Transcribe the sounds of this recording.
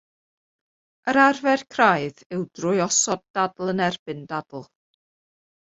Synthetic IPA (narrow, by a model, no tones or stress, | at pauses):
əɾarvɛrkʰraɨðɪwd̥rʊɨɔsɔddadl̩ˠənɛrb̥ɨndad̥l̩ˠ